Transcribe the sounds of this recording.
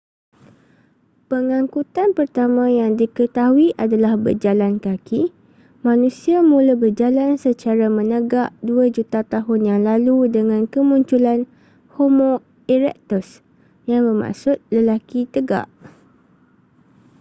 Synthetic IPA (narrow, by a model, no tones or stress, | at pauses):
pəŋãŋkut̪anpərt̪amãjaŋdikət̪aɦuiʔadalahbə̰rd͡ʒalankaki | mãnũsiamũlabərd͡ʒalansət͡ʃaɾamə̃nəɡaʔduad͡ʒut̪at̪aɦʊnjaŋlaludəŋãnkəmũɲt͡ʃulan | homõ | iɾɛ̰k̚t̪us | jaŋməma̰ʔsʊt̪̚ləlakit̪əɡa̰ʔ